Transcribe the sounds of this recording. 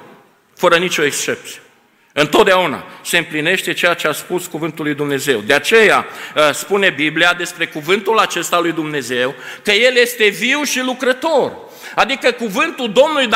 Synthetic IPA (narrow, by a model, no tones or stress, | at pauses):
fəɾənit͡ʃo̞ekst͡ʃe̞p̚t̪sije | ɨnt̪o̞t̪̚d̪eauna̰se̞ɨmpline̞ʃt̪e̞t͡ʃe̞jat͡ʃeaspuskuvɨnt̪ulːujd̪umne̞ze̞wd̪eat͡ʃe̞jaspune̞bibliad̪e̞spɾe̞kuvɨnt̪ulat͡ʃe̞st̪alujd̪umne̞ze̞wkəje̞lje̞st̪e̞viwʃilukɾət̪o̞r | ad̪ikəkuvɨnt̪uld̪o̞mnuluj̪